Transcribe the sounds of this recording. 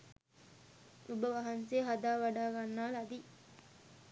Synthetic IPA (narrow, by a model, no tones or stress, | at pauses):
ubəʋɐɦɐnseːɦad̪aːʋaɖaːɡanːaːlɐd̪i